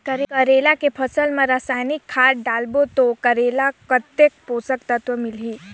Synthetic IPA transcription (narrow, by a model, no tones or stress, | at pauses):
kəɾkəɾelakepʰəsəlmãɾasaːjnikʰːaːʈɖalbot̪okəɾelakət̪ːek̚posəkt̪ət̪ʋəmilɦiː